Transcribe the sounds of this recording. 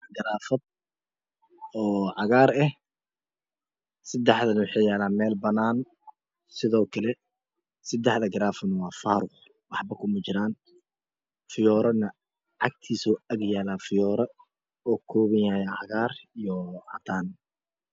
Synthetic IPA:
ɡɐɾaːfɐd̪ | ɔːʕɑɣaːɾɛh | sɪd̪ɛħd̪ɐnɐwʊħeːjaːlaːmɛːlbɐnaːn | sɪðɔːkʰɐlɛ | sɪd̪ɛħðɐɡɐɾaːfɐnwɑːfaːɾʊχ | wɑħbɐkʰʊmɐt͡ʃɪɾaːn | fɪjɔːɾɐnɐ | ʕɑk̚t̪ʰiːsuːɐɡjaːlaːfɪjɔːɾɐ | ɔːkʰɔːβɪjaːjaʕɑɣaːrijɔʔɐ̰t̪ʰaːn

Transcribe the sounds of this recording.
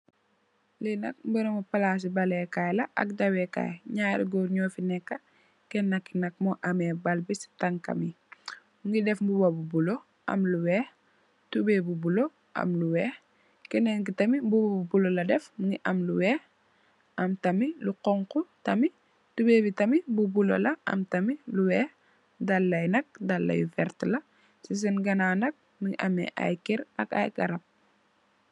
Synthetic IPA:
linɐ̰k̚mbəɾɐmɔpɐlas̬ibɐlɛkajlɐʔɐ̰k̚dɐwɛka̰ːjɲaːɾḭɡɔɾɲɔːfinɛkːɐ | kɛnːɐkːinɐk̚mɔʔɐmɛbɐlbisi̥tɐŋkɐ̰mi | uŋɡidɛfmbubɐbubulo | ɐ̰mluwɛː | tubɛːbubulo | ʔɐ̰mluwɛː | kɛnɛŋk̬itɐmibubabubulolɐdɛfmiŋɡiʔɐmluwɛː | ʔɐmtɐmiluqɔŋkutɐmi | tubeːbitɐmibubulo̰lɐʔɐ̰mtɐmiluwɛː | dɐlːɐjnɐk̚dɐlːɐ̰jufɛɾtlɐ | sis̬ɛnɡɐnaːnɐk̚ | miɡiʔɐmḛʔa̰jkiɾɐ̰ka̰jɡɐ̰ɾɐp̚

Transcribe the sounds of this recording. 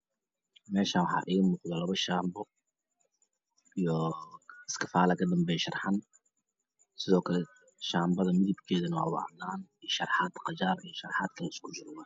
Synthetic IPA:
mɛːʃaːnwɑħɑ̰ːʔiːɣmuːqðɐlɐβɐʃaːmbɔ | ijɔɪskʰɐfaːlɐkʰɐd̪ɐmbɛːjʃɐrħan | sɪðɔːkʰɐlɛ | ʃaːmbɐðɐmɪðɐbkʰɛːðɐnɐwɑ̰ːwɑ̰ʕnaːniʃɐrħaːd̪qɑd͡ʒaːrijɔʃɐrħaːd̪kʰɐlɪskʰʊd͡ʒʊɾwaː

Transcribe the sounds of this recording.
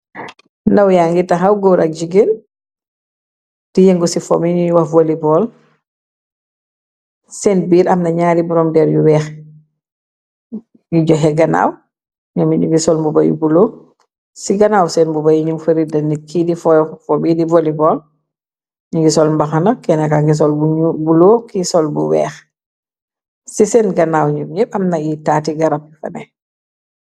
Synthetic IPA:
ndawjaŋɡitaxawɡɔwɾak̚d͡ʒiɡin | tijɛŋɡɔsifɔ̰miɲiwavolibɔːl | sɛnbiːɾɐmnɐɲaːɾibuɾɔmdɛɾjuwɛːx | ŋɡiɟɔɦɛɡana̰w | ɲamiɲuŋɡisɔlmbuba̰jṵbulo | siɡɐnaːwsɛnbubajiɲumfəɾidɐnikidifɔjɔfɔbidivɔlibɔl | iŋɡisɔlmbaxanakɛnakaŋɡis̬ɔlbuɲubuloːkisɔlbuwɛ̰ːx | sisɛnɡɐnawɲumɲiɾʔɐmnɐitatiɡɐɾap̚jufɐ̰nɛ

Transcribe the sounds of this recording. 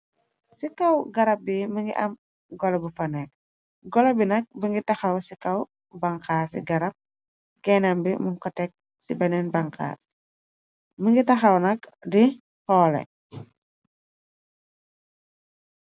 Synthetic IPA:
sikawɡaɾap̚biməŋɡḭʔam | ɡɔlɛbupanɛk̚ | ɡɔlɛbinak̚bəŋɡit̪axawsikaw | baŋkasḭɡaɾap̚ | ɡɛnambimuŋkətɛk̚ | sibanɛnbaŋka̰s | məŋɡit̪axawnakdi | hɔlɛ̰

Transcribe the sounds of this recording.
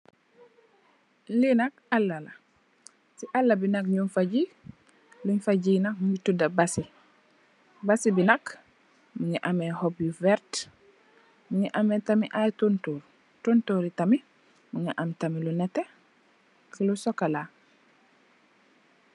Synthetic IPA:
linak̚alːala | siʔalːɐbinak̚ɲunfaɟi | luɲfaɟinak̚muɲitudɐbasi | basibinɐk | muɲiʔamɛhobjuvɛɾt | muɲiʔamɛtamiʔatuntuːɾ | tontoːɾitami | muŋiʔamtamilunɛte | kilusɔkala

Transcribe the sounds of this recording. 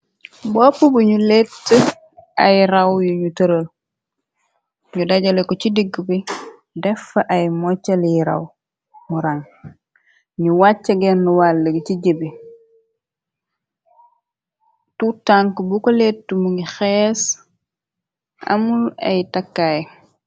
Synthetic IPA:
bɔpːubuɲuletːə | ɐjɾawjuɲutəɾəl | ɲudaɟalekot͡ʃidiɡːbi | dɛfɐʔajmɔt͡ʃːɐlijiɾa̰w | muɾaŋ | ɲuwat͡ʃːɐɡenːuwalːeɡiciɟebi | tutaŋkbukoletːəmuŋixɛs | a̰mula̰jtakːaj

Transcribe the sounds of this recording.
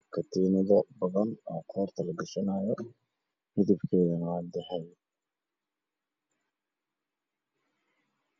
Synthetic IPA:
kʰɐt̪ʰiːnɐðɔbɐðɐnɔːqʰɔːrt̪ʰɐlɐɡɐʃɐnaːjɔ | mɪðɪbkʰɛːðɐnaːd̪ɛħɛj

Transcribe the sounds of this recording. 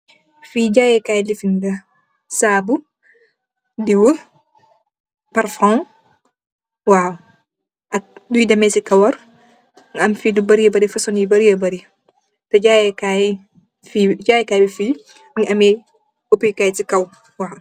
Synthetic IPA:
fiːɟaːjɛkajlifindɐ | saːbu | diwə | paɾfɔ̃m | waːw | ʔɐk̚dujidɐmɛsikɐwɐɾ | ŋɐmfidubɐɾiəbɐɾifɐsɔnjibɐɾijɐbɐɾi | tɔɟaːjɛkaj | fid͡ʒaːjɛkaːjbifiː | ŋʔɐmɛ | opijkaːjtikɐw | waːw

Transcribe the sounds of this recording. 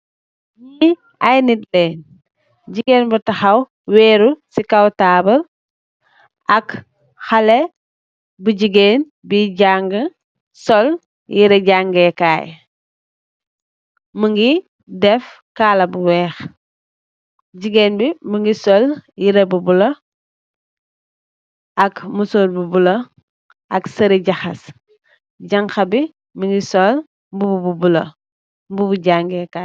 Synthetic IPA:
ɲi | ajnit̚lɛːn | ɟiɡeːnbutɐxɐw | wɛːɾusikawtaːbəl | ʔɐk | xɐlɛ | buɟiɡeːn | biɟaŋɡə | sɔl | jiɾɛɟaŋɡɛka̰ːj | məŋɡi | dɛf | kaːlɐbuwɛːx | ɟiɡeːnbiməŋɡisɔljiɾebubulo | ɐkmusoːɾbubulo | ɐksɐɾiɟaxɐs | ɟɐŋkɐbi | məŋɡisɔl | mbubububulo | mbubuɟaŋɡɛka

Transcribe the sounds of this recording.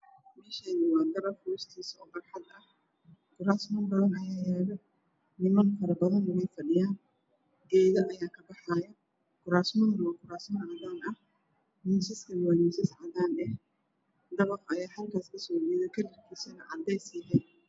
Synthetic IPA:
mɛːʃanɪwɑːɡ̪ɐɾɐrkʊɾʊst̪ʰiːsɔːbɐrħɑd̪ɐh | kʊɾaːsmɔnbɐðɐnɐjaːjɛːðɔ | nɪmɐnfɐɾɐbɐðɐnʊwɛjfɐɖɪjaːn | ɡɛːðɐʔɐjaːkʰɐbɑħaːjɐ | kʰʊɾaːsmʊndɐwɐkʰʊɾaːsmɐnʕɑðaːnɐh | misɪskʰɐwaːnisɪsʕɑdaːnɛh | d̪ɐβɐqɐjaːħɐlkʰaːskʰɐsɔːdiːðɛkʰɐlɪrkʰisɛnɐ̰ʕɑ̰d̪ɛjsiːðɛ

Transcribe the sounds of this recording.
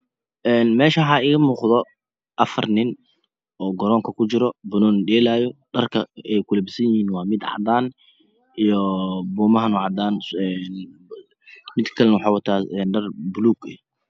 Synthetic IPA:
ʔɛːnmɛːʃɐɦɐɪɣɐmuːqðɔ | ʔɐfɐ̰rnɪn | ʔɔːɡɔɾɔːŋkʰɐkʰʊt͡ʃɪɾɔbʊnɔːnɖɛːlaːjɔɖɐrkʰɐɛjkʰʊlɛbɪsɐjɪhiːnwɑːmɪd̪ʕɑ̰d̪aːn | ʔijɔbuːmɐɦɐnʊːʕɑd̪aːnɛn | mɪd̪kʰɐlɛnwɑħɑːwɑt̪ʰaːɛːnɖɐrbʊluːɡɛ

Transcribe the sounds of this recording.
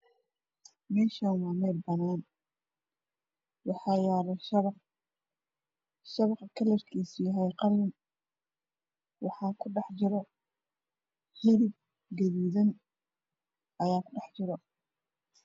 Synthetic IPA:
mɛːʃawamɛlbɐnaːn | wɑħɑːjaɾɐʃq | ʃɐβɑqkʰɐlɐrkʰiːsijaɦɛjqɑlːɪn | wɑħɑːkʰʊɖɑħd͡ʒɪɾɐ | hɪlɪb̚ | ɡɐðiːðɐn | ʔɐjaːkʰʊɖɑħd͡ʒɪɾɔ

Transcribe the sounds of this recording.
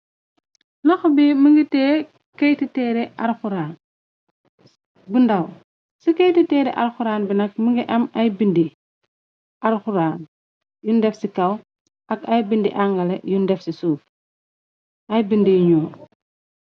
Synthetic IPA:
lɔxbiməŋɡitɛː | kɐjtitɛːɾɛʔaɾxuɾaːn | bundɐw | sikɐjtitɛːɾɛʔɐ̰ɾxuɾaːnbinɐk̚məŋɡiʔɐmɐjbindi | aɾxuɾaːn | jundɛfsikɐw | ɐkɐjbindḭʔaŋɡɐlejundɛfsisuːf | ʔɐjbindijɲuː

